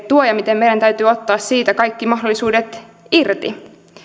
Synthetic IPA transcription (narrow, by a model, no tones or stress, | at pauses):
t̪uojɑmit̪emːe̞jɾænt̪æyt̪yːo̞t̪ːɑːssiːt̪ækɑjkːimɑɦdo̞lːisuːdet̪ | irt̪ḭ